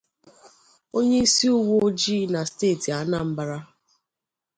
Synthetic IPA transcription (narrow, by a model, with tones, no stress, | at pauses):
o˦ɲe˦i˦si˦u˦wo˦o˦d͡ʒiː˦na˨steː˦˨ti˨a˨˦na˦m̩˦ba˨ɾa˦